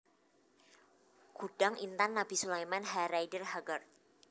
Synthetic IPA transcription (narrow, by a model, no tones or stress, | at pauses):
ɡ̥uɖ̥aŋʔint̪anːab̥i̤sulajmanɦaɾajdərɦaɡərt̪